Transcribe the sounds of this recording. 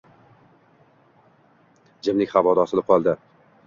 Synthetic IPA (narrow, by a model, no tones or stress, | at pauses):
d͡ʒɪmlɪkʲhavɒd̪ɒsɪlɪp̚qʰɒlˠd̪ɪ